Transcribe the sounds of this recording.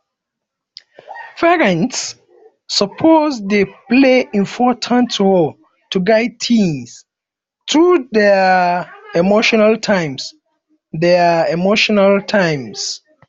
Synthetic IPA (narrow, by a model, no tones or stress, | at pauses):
fɛɹə̃ntsː | əpʰozdepleĩnfɔtʰãntʰol | tuɡaɪd̚tʰĩns | tɹudɛ | ɛmoʃɔnaltʰãɪ̃ms | dɛɛmoʃɔnaltʰãɪ̃ms